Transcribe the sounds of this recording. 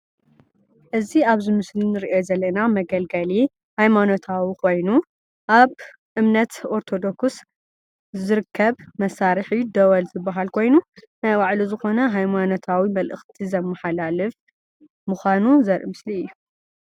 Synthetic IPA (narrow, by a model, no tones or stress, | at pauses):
ʔɨziaβzɨmɨslinɨɾiʔozɐlːɐnamɐɡɐlɡɐli | hajmano̞t̪ʰawikʰo̞jnu | ʔaβ | ʔɨmnɐt̪ʔo̞ɾt̪ʰo̞d̪o̞ks | zɨɾɨkʰːɐβmɐsaɾɨħid̪ɐwɐlzɨbːaɦalkʰo̞jnunajwaʕluzɨxo̞nɐɦajmano̞t̪ʰawimɐlʔɨxt̪ʰizɐmːɐħalalɨf | mɨxʷanuzɐɾʔɨ̰mɨsliɨjːu